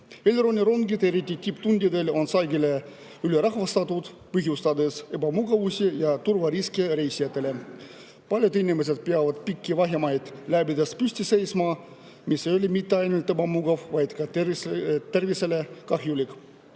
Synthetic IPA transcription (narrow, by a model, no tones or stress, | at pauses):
elʲɾonʲiɾoŋɡit̪eɾit̪ʲːit̪ʲipt̪unʲd̪ʲid̪elo̞nsɑjɡile | yleɾɑxvɑst̪ɑt̪ut̪ | pɯɦjust̪ɑd̪ese̞bɑmuɡɑvusʲijɑt̪urvɑɾiskiɾejsʲijat̪ːele | pɑlʲjot̪inʲimes̬ʲet̪̚peɑvɑd̪pikʲːivɑɦʲjɑmɑjd̪̥læbid̪espysʲt̪ʲisejsmɑ | misːejolʲimit̪ːeɑjnulʲt̪ebɑmuɡɑvvɑjt̪kɑ | t̪ːe̞rviselekɑxjulʲik